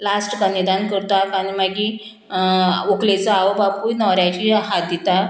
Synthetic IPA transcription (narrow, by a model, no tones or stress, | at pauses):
lasʈɡanid̪ankəɾt̪akaɽ̃imaɡi | uklet͡saaʋobapujnɔɾjat͡ɕiɦat̪̚d̪it̪a